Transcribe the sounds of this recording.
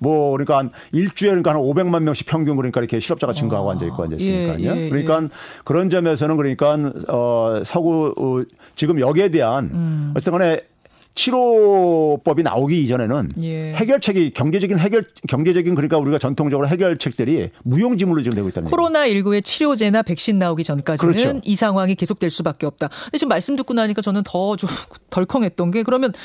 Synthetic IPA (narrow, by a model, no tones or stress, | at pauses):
mwʌkɯɾʌɲik͈an | iɭt͡ɕ͈uekɯɾɲikaɦanɯnobe̞ŋmanmjʌŋɕʰi̥pʰjʌŋɡjuŋkɯɾʌɲik͈aiɾʌkʰeɕʰiɾʌp̚t͡ɕ͈aɣat͡ɕiŋɡoɦaɡoɦa̰ndd͡ʑʌḭk͈oa̰nʌ̰s͈ɲik͈a̰ɲokɯɾʌɲik͈ankɯɾʌnd͡ʑʌmes̬ʰʌnɯnkɯɾʌɲik͈anʌsʰʌɡo | t͡ɕiɡɯmjʌɡe̞de̞ɦanʌt͡ɕet͈eŋane̞ | t͡ɕʰiɾo | p͈ʌbina̰oɡiːd͡ʑʌne̞nɯnjehe̞ɡjʌɭt͡ɕʰeɡikjʌŋd͡ʑe̞d͡ʑʌɡinɦe̞ɡjʌɭkjʌŋd͡ʑed͡ʑʌɡinkɯɾɲik͈auɾiɡat͡ɕʌntʰoŋd͡ʑʌɡɯɾoɦe̞ɡjʌɭt͡ɕʰe̞k̚t͈ɯɾimujoŋd͡ʑimuɭːot͡ɕiɡɯmdweɡoit͈anɲkʰoɾonaiɭɡue̞t͡ɕʰiɾjod͡ʑe̞nape̞k̚ɕ͈inːaoɡit͡ɕʌnk͈ad͡ʑkɯiɾʌnt͡ɕɯnisʰaŋɦwaŋike̞sʰok̚t͈we̞ɭs͈ubak͈̚e̞ʌp̚t͈aet͡ɕimːaɭs͈ɯmdɯk͈̚unaɲik͈at͡ɕʌnɯntʌt͡ɕotʌɭkʰʌŋɦe̞t̚t͈ʌnɡe̞kɯɾʌmjʌn